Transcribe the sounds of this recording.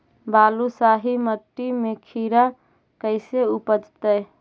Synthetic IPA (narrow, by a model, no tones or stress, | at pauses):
baːlusaɦiməʈːimekʰiɾa | kəɪseupəd͡ʒt̪əj